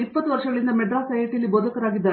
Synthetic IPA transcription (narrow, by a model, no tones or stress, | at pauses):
ipːɐt̪ːuʋɐɾʂɐɡɐɭind̪ɐmɛɖɾaːsɐjeʈjɐlːiboːd̪ɐkɐɾaːɡid̪ːaːɾ